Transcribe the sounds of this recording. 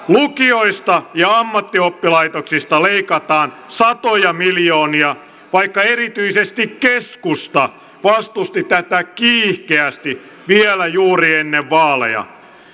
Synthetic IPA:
lukioist̪ɑjɑɑmːɑt̪ːiopːilɑit̪oksist̪ɑleikɑt̪ɑːn | sɑt̪ojɑmiljoːniɑ | ʋɑikːɑeɾit̪yisest̪ikkeskust̪ɑ | ʋɑst̪ust̪it̪æt̪ækiːhkeæst̪i | ʋiɛlæjuːrienːeʋʋɑːlḛjɑ̰

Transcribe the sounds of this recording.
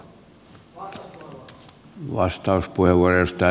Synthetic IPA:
ʋɑ̰st̪ɑuspuheʋʋuɑrɑjost̪æ

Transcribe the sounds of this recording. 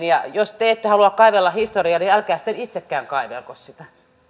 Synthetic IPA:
nijɑjost̪eet̪ːehɑluɑkkɑiʋelːɑhist̪oriɑniælkæːsi̥t̪ːenit̪sekːæːŋkɑiʋḛlkossit̪æ

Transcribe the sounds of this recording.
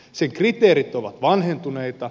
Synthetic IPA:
seŋkrit̪eːɾit̪oʋɑt̪ʋɑnɦent̪une̞jt̪ɑ

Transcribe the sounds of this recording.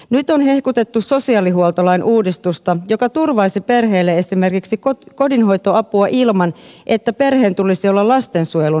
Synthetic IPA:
nyt̪o̞nɦe̞hkut̪e̞t̪ːuso̞siɑːliɦuolt̪olɑinʔuːdist̪ust̪ɑjo̞kɑt̪urʋɑisipe̞rɦe̞ːlːee̞sime̞rkiksikoko̞dinɦo̞jt̪o̞ɑpuɑʔilmɑnʔe̞t̪ːæpe̞rɦe̞ːnt̪ulisiolːɑlɑst̪e̞nsujelu

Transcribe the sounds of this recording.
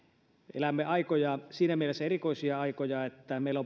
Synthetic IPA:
ḛlæmːeɑikojɑsiːnæmielesːæerikoˑisiɑɑikojɑet̪ːæmeˑilo

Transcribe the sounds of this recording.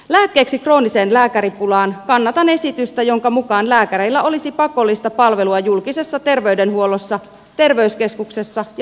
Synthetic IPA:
læːkːe̞ːksikro̞ːnise̞ːnlæːkæɾipulɑːnkɑnːɑt̪ɑne̞sit̪yst̪æjo̞ŋkɑmukɑːnlæːkæɾeilːæo̞lisipɑko̞lːist̪ɑpɑlʋe̞luɑjulkise̞sːɑt̪e̞rʋe̞ydenhuo̞losːɑ | t̪e̞rʋe̞yske̞skukse̞sːɑ

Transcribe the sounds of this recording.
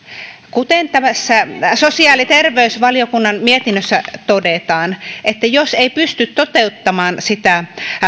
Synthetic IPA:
kut̪ent̪æmæsːæsosiɑːlit̪erʋeysʋɑliokunːɑnmiet̪inːøsːæt̪odet̪ɑːnʔet̪ːæjoseipyst̪yt̪t̪ot̪eut̪ːɑmɑːnsit̪æ

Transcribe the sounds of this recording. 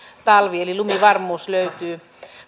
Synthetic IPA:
t̪ɑlʋielilumiʋɑrmuːsløyt̪yː

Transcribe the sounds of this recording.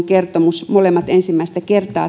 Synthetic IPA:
ŋkert̪omusmolemːɑt̪ensimːæist̪ækert̪ɑ̰ː

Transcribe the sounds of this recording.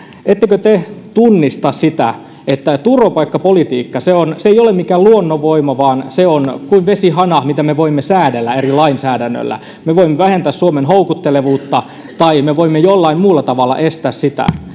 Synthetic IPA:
et̪ːekøt̪et̪unːist̪ɑssit̪æ̰ | et̪ːæt̪uropɑikːɑpolit̪iːkːɑseonseiolemmikæːluonːoʋoimɑʋɑːnseonkuiʋʋesihɑnɑmit̪æmeʋoimːesæːdelːæerilɑinsæːdænːø̰lːæ̰ | meʋoimːeʋæhent̪æːssuomenɦoukut̪ːeleʋuːt̪ːɑ | t̪ɑimeʋoimːejolːɑimmuːlːɑt̪ɑʋɑlːɑ̰ʔest̪æːssit̪æ̰

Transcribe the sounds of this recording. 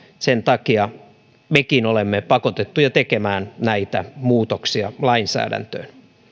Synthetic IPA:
sent̪ɑkiɑ | mekinolemːepɑkot̪et̪ːujɑt̪ekemæːnnæit̪æmuːt̪oksiɑlɑinsæ̰ːdæ̰nt̪ø̰ːn

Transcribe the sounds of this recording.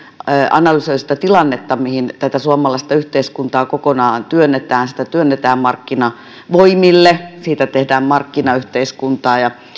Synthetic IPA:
ʔɑ̰nɑlysoist̪ɑt̪ilɑnːet̪ːɑmihint̪æt̪æsuɑmɑlɑist̪ɑyht̪eiskunt̪ɑːkokonɑːnt̪yønːet̪æːnsi̥t̪æt̪yønːet̪æːmmɑrkːinɑ | ʋoimilːesiːt̪æt̪ehdæːmmɑrkːinɑyht̪eiskunt̪ɑːjɑ

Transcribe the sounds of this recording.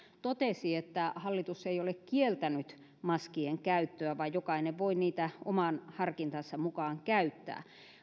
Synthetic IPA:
t̪ot̪esiet̪ːæhɑlːit̪usːeiolekkielt̪ænyt̪ | mɑskieŋkæyt̪ːøæʋɑijjokɑineʋʋoiniːt̪æomɑˑnhɑrkint̪ɑsːɑmukɑːŋkæyt̪ːæ̰ː

